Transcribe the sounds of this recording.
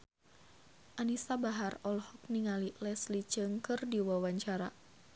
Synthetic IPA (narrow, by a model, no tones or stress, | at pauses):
ʔanisabaɦarɔlhɔk̚niŋalilɛslid͡ʒɨŋkɨrdiwawaɲt͡ʃaɾa